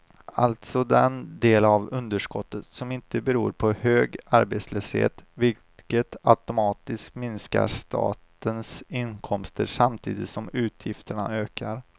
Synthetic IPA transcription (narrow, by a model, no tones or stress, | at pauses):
alt̪sɔd̪ɛnd̪eːlavɵnd̪əʂkɔt̪ːət̪sɔmɪnt̪əbɛɾuːɾpʰɔhøːɡaɾbeːt̪sløːshḛːt̪vɪl | kət̪aʊt̪ʊmɑːt̪ɪskmɪnska̰ɾʂt̪ʰɑ̰ːt̪ənsɪnkʰɔmst̪əɾʂamt̪ʰḭːd̪ɪt̪sɔmʉ̟ːt̪ʰjɪft̪əɳa̰øːkʰaɾ